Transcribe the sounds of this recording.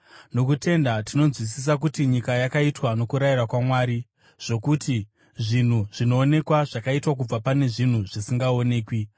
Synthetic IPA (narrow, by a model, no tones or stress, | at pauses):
no̞kute̞ndatino̞nzwisis̬ak̬utiɲikajakaitwano̞kuɾairakwamwaːɾi | ʐ̥o̞kuti | ʐin̤uʐ̥ino̞ːne̞kwaʐakaitwak̬ub͡vapane̞ʐin̤uʐisiŋɡao̞ne̞ːkwi